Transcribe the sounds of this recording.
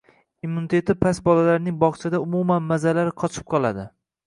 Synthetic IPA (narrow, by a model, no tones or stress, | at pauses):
imːunit̪ʰe̞t̪ʰɪpʰasbɒlalaɾnɪŋbɒχt͡ʃʰad̪aʊmumanmazalaɾɪqʰɒt͡ʃʰɪ̥p̚qʰɒlˠad̪ɪ